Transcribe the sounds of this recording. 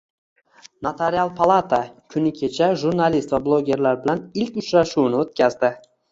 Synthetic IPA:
nat̪ʰeɾialˠpʰalˠat̪ʰakʲʰʊnɪkʲʰe̞t͡ʃʰaʒuɾnalist̪vablˠoɡʲe̞ɾlaɾbɪlanɪlkʲʊt͡ʃɾaʃunɪot̪̚kʲʰazd̪ɪ

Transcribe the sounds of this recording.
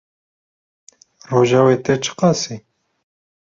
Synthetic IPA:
roːʒawet̪et͡ʃʰə̥qɑsi

